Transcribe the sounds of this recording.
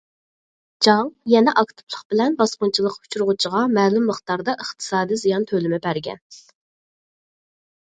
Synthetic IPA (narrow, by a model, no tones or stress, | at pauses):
d͡ʒɑŋjɛnɛʔɑkt̪ʰu̥pʰlˠəχbɪlɛnbɑsqʊnt͡ʃʰilˠəqu̥t͡ʃʰuɾʁʊt͡ʃʰiʁɑmæːlumːəχt̪ɑɾd̪ɑʔəχt̪ʰɨ̥sɑːd̪izijɑnt̪ʰølɪmɪbæɾɡʲɛ̰n